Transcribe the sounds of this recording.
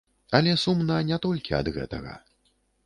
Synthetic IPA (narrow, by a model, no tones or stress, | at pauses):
ɐlʲɛsumnɐnʲɛt̪ɔlʲkʲiɐ̰d̪ɣɛ̰t̪ɐɣɐ̰